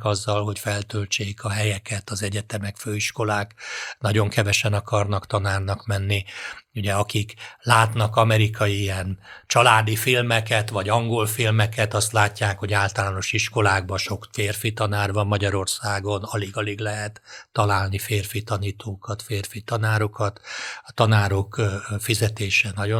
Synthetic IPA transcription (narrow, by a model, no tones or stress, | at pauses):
kɒzːɒlɦo̞cfɛlt̪øːlt͡ʃeːkʰɒɦɛjɛkɛt̪ɒzɛɟɛt̪ɛmɛkføːiʃko̞laːknɒɟo̞ŋkɛvɛʃɛnɒkɒrnɒkt̪ɒnaːrnɒkmɛnːiuɟɛɒkiklaːt̪nɒkɒmɛɾikʰɒjiijɛnt͡ʃɒlaːd̪ifilmɛkɛt̪vɒɟɒŋɡo̞lfilmɛkɛt̪ɒst̪laːcːaːkho̞ɟaːlt̪ɒlaːno̞ʃiʃko̞laːɡ̚bɒʃo̞kfeːrfit̪ɒnaːrbɒmːɒɟɒɾo̞rsaːɡo̞nɒliɡɒliɡlɛɦɛt̪ːɒlaːlnifeːrfit̪ɒniːt̪ʰoːkɒt̪feːrfit̪ɒnaːɾokɒt̪ɒt̪ɒnaːɾo̞kfizɛt̪eːʃɛnɒɟo